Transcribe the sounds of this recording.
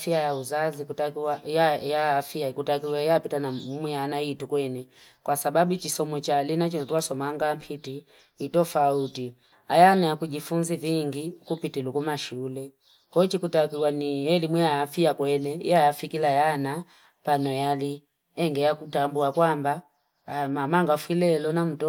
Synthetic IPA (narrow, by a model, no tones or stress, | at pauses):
fiajauzazikutakiwajajaːfiaikutakiwɛjapitanamwianaitukwɛnɛ | kwasabaɓut͡ʃisɔmɔt͡ʃalinat͡ʃinɔtuasɔmaŋɡam̩pʰiti | itɔfauti | ajanajakuʄifunziviŋɡikupitilukumaʃulɛ | kɔt͡ʃikutakiwanijɛlimwiaːfiakwɛnɛḭajafikilajana | panɔjali | ɛŋɡɛjakutambuakwamba | mamaŋɡafwilɛlɔnam̩tɔ